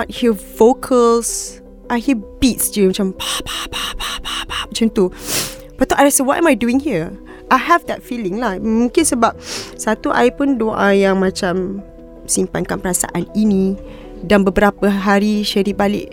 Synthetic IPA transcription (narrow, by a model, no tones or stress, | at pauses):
ɔt̚hiəfokʰəls | ʔajhibit̚sd͡ʒəmat͡ʃãmpapapapapapap̚t͡ʃənt̪u | pat̪aʔaɾasəwɔʔɛ̰̃majduĩŋhiə | ʔajɦɛvd̪ɛt̚filɪ̃ŋlahmũŋkɪnsəbap̚sat̪uʔa̰jpʊndoʔajaŋmãt͡ʃam | simpankanpəɾasa̰ʔaninĩ | danbəbəɾapəɦaɾiʃəɾibalɪ̰ʔ